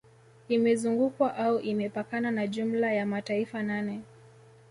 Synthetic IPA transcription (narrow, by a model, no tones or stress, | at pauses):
imɛzuŋɡukwaʔauʔimɛpakananaʄum̩lajamataifananɛ